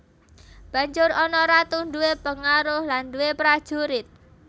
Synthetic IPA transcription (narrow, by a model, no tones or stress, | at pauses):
b̥ä̤ɲd͡ʒʊrɔnɔɾat̪uɳɖuwepəŋaɾʊhlanduwepɾad̥ʒ̥uɾɪt̪̚